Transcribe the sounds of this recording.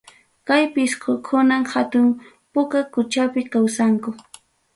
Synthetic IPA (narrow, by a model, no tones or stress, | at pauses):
kajpɪskokʰʊnamhat̪ʊm | pʊkakʊt͡ʃapɪkawsaŋkʊ